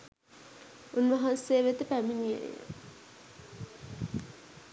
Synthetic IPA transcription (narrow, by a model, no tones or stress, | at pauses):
unʋɐɦanseːʋet̪əpæminiḛnḛjə̰